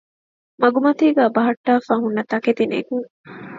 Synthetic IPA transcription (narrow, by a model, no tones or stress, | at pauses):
mɐɡumɐt̪iːɡæːbɐɦɐʈːaːfaːɦunːɐt̪ɐket̪inḛkuŋ